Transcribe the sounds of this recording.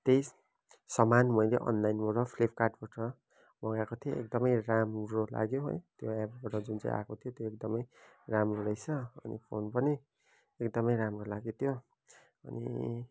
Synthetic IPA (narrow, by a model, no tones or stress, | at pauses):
t̪ejs | sʌmanmʌjleʔʌ̰nlajnmoɾʌpʰlep̚ʰkarʈbaʈʌ | mʌɡakot̪ʰijo̰ek̚d̪ʌmʌjɾamrola̰ɡjoɦo̰jt̪joebbaʈʌd͡zunt͡sã̰j̃ʔa̰kot̪ʰjot̪joek̚d̪ʌmʌj | ramroɾʌjt͡sʰʌʌnḭpʰonpʌni | ekd̪ʌmʌjɾamrolaɡjot̪ʰjo | ʌnḭ